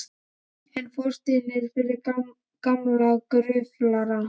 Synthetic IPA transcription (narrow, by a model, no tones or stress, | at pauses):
ɛnfɔr̥st̪inɪɾ̥fɪɾɪɾ | kamlaɣkɾʏvlaɾa